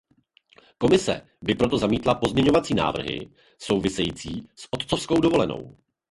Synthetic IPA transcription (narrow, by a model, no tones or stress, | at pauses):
ko̞mɪsɛ̰ | bɪpɾo̞t̪o̞zamiːt̪lapo̞zmɲɛɲo̞vat͡siːna̰ːvr̩ɦɪ̰ | so̞wvɪsɛjiːt͡siːsʔot̪t͡sofsko̞wdovo̞lɛno̞̰w